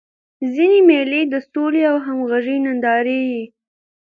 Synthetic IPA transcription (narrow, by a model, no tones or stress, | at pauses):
zinemeled̪əsoleawɦamɣaʒinand̪ɑɾeɡi